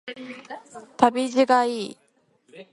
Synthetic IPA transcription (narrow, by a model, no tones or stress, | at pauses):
t̪abid͡ʑiɡai